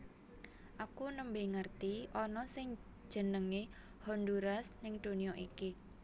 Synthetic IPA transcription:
ʔakunəmbeŋərt̪iʔɔnɔsɪŋ̥ | d͡ʒ̥ə̤nəŋe | hɔnd̪uɾasnɪŋd̪̥o̤nijɔʔiki

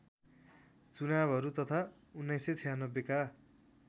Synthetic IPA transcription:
t͡sunabʱʌɾut̪ʌt̪ʰa | unːʌjset͡sʰijanʌbːeka

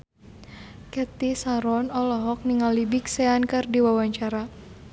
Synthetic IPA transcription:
kɛt̪isaɾɔnɔlɔɦɔk̚niŋalibiksɛankɨrdiwawaɲt͡ʃaɾa

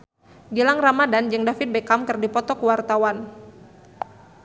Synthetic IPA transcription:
ɡilaŋramadand͡ʒɨŋdafit̪̚bekamkɨrdipɔt̪ɔkuwart̪awan

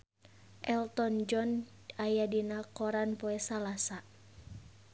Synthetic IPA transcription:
ʔɛlt̪ɔnd͡ʒɔn | ajadinakɔɾanpɔɛsalasa

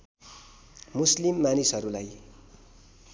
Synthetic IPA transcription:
muslimːanisɦʌɾulaj

